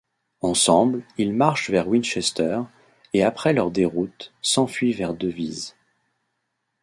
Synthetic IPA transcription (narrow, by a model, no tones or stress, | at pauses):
ɑ̃sɑ̃blilmaʁʃvɛʁwinʃɛst̪œʁ | eapχɛlœʁd̪eʁut̪sɑ̃fɥivɛʁd̪əviz